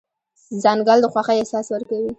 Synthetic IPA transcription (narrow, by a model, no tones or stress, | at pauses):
zɑŋɡald̪əxwaxaehsɑswəɾkawi